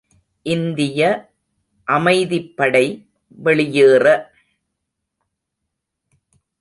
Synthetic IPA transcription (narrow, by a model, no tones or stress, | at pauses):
ʔɪnd̪ɪjɐ | ʔɐmɐɪðɪpːɐɽɐɪ | ʋɛɭɪjeːrɐ